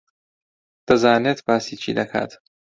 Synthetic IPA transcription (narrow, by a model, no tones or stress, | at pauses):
d̪̥ɐzaːneːt̪baːsiːt͡ʃʰḭːd̪ɐkʰa̰t̪